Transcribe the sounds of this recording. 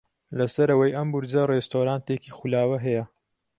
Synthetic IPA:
lɐsɐɾɐwɐjʔɐmbuɾd͡zɐrest̪oːɾaːnt̪ekiːxulaːwɐɦɐjɐ

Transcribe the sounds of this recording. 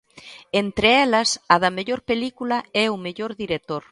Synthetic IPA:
ent̪ɾeɛlɐsɐðɐmeʎoɾpelikulaɛumeʎoɾðiɾek̚t̪oɾ

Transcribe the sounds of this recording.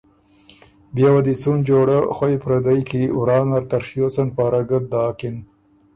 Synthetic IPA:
bjawad̪it͡sund͡ʒoɽəxwajpɾad̪ajkiwɾɑːnaɾt̪aɾʂjosanpɑːɾaɡət̪̚d̪ɑːkɪn

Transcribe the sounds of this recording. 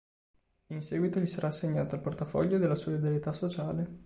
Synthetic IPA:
insɛːɡwit̪oʎisaɾʔaːsːeɲːaːt̪oalport̪afɔ̰ʎːod̪elːasolid̪aɾjet̪asːot͡ʃaːle

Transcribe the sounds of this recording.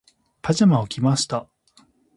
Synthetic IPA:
pʰad͡ʑamaokʲimaɕi̥t̪a

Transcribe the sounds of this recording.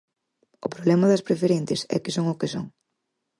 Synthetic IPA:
ʊpɾoβlɛmɐðɐspɾefeɾenθɪesɛ̰kɪsoŋʊkeso̰ŋ

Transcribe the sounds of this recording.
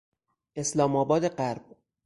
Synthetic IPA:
ʔe̞slɒːmɒːbɒːd̪eɢæɾb̥̚

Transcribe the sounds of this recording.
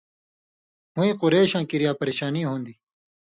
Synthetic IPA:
mũĩːqʊɾeːɕãːkiɾijaːpɐɾeːɕaːniːɦõːnd̪iː

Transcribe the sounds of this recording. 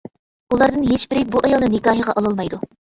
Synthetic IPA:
ulˠɑɾd̪ɨnɦeʃbɪɾɪbuʔɑjɑlˠnɨnɪkɑːɦəʁɑʔɑlˠɨlˠmɑjd̪u

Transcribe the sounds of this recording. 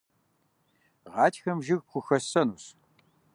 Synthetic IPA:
ʁɑːtʰxɐmʒɪɣp̚χʷʊxɐsɐnus

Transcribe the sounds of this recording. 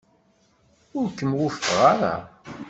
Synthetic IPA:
ʊɾkːəmwʊfəʁaɾa̰

